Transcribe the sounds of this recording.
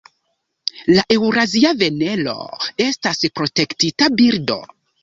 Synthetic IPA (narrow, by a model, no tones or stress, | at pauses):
laʔe̞wɾaziave̞ne̞lo̞̰e̞staspɾo̞te̞ktitabiɾdo̞̰